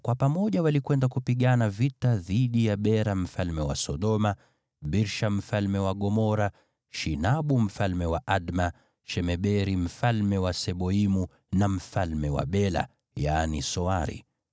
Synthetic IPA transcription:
kwapamɔʄawalikwɛndakupiɠanavitaðiɗijaɓɛɾam̩falmɛwa̰sɔɗɔma | ɓiɾʃam̩falmɛwaɠɔmɔɾa | ʃinaɓum̩falmɛwaʔaɗma | ʃɛmɛɓɛɾim̩falmɛwasɛɓɔimu | nam̩falmɛwa̰ɓɛla̰ | janisɔaɾḭ

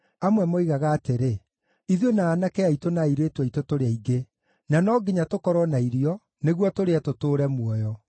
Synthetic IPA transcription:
amwɛmoiɣaɣaːteɾe | iðionaːnakɛaitonaiɾetwɛitotoɾeaiɡe | nanɔːɡeɲatokɔɾwɔnaiɾiɔ | neɣwɔtoɾeatotoːɾɛmwɔjɔ

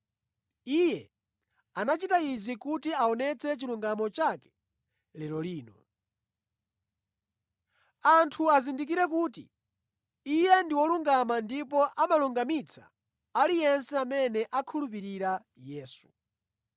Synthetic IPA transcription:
ijɛ | anat͡ʃitaizikutiaɔnɛt͡sʰɛt͡ʃiluŋɡamɔt͡ʃakɛ̥ | lɛɾɔliːnɔ | antʰuazindik̬iɾɛkuːtḭ | ijɛndiwɔluŋɡamandipɔʔamaluŋɡamit͡sʰa̰ | alijɛnsɛamɛnɛʔakʰulup̬iɾiɾa | jɛːsu

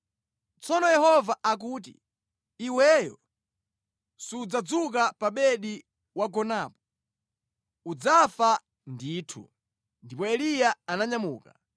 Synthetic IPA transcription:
t͡sɔnɔjɛhɔvaʔak̬uːt̬ḭ | iwɛjɔ̰ | siud͡zad͡zuk̬apaɓɛɗi | waɡɔnapɔ | ud͡zafa | ndiːtʰṵ | ndipɔɛlijaanaɲamuːka

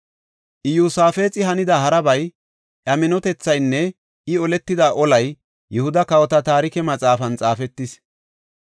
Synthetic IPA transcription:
ʔɪjuːsaːfe̞ːt͡sʼɪhɐnɪd̪ɐɦɐɾɐbɐj | ʔɐmɪnɔt̪ɛt͡sːɐjnːɛ | ɪɔlɛt̪ːɪd̪aʔɔlɐj | jɛhʊd̪ɐkɐwɔt̪ɐt̪aːɾɪkɛmɐt͡sʼaːfɐnt͡sʼaːfɛt̪ːɪs

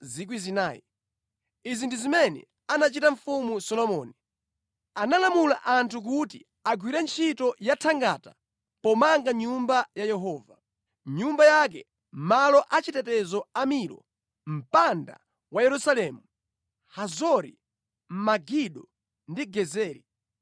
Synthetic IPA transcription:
zik̬wizinaːjḭ | izindizimɛnɛ̰ | anat͡ʃitaɱ̩fumusɔlɔmɔːni | analamulaʔantʰuk̬utḭ | aɡwiɾɛnt͡ʃʰitɔjatʰaŋɡata | pɔmaŋɡaɲumbajajɛɦɔːva | ɲumbajak̬ɛ̰ | malɔʔat͡ʃitɛtɛzɔamilɔ̰ | m̩panda̰ | wajɛɾusalɛmu | hazɔɾḭ | m̩maɡiɗɔ | ndiɡɛzɛːɾi

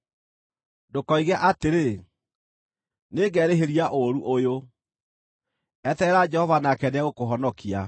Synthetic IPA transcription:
dokɔiɣɛʔateɾe | neːɡɛɾeɦeɾiaʔoɾuʔojo | ɛtɛɾad͡ʒɛhɔvanakɛneaɣokoɦɔnɔkia

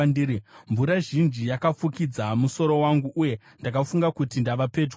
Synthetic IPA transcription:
ndiɾiɱvuɾaʐind͡ʒijakafukid͡zamuso̞ɾo̞waŋɡuʔːje̞ | ndakafuŋɡakutindaʋape̞d͡ʒw

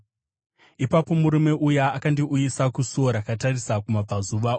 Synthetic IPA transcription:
ipapo̞muɾume̞ʔujaakandiʔujisakusoɾakatarisakumab͡vazuʋao

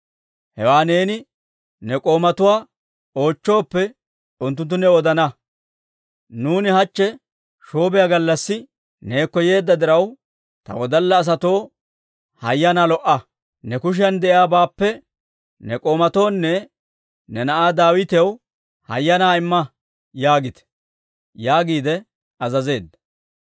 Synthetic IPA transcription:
hɛwaːne̞ːnɪ | nɛkʼo̞ːmɐt̪ʊwaː | o̞ːt͡ʃːo̞ːpːɛ | ʊnt̪ːʊnt̪̬ːʊnɛɔd̪ɐnɐ | nuːnɪhɐt͡ʃːɛ | ʃo̞ːbɛjaɡɐlːɐsːɪ | ne̞ːkːɔje̞ːd̪ːɐd̪ɪɾɐw | t̪ɐ̰wɔd̪ɐlːɐːs̬ɐt̪o̞ː | hɐjːɐnaːlɔʔɐ | nɛkʊʃ̬ɪjɐnd̪ɛʔɪaːbaːpːɛ | nɛkʼo̞ːmɐt̪o̞ːnːɛ | nɛnɐʔaːd̪aːwɪt̪ɛw | hɐ̰jːɐnaːɪmːɐ | jaːɡɪt̪ɛ̥ | jaːɡiːd̪ɛ | ɐzɐze̞ːd̪ːɐ

